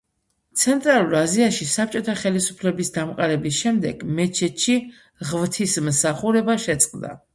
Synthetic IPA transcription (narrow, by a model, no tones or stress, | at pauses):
t̪sʰɛnt̪ʼɾalˠuɾaziaʃisap̚t͡ʃʼɔt̪ʰaχɛlisupʰlɛbisd̪amqʼaɾɛbisʃɛmd̪ɛɡ̥mɛt͡ʃʰɛt̪ʃi | ʁvt̪ʰismsaχuɾɛbaʃɛt̪sʼqʼd̪a̰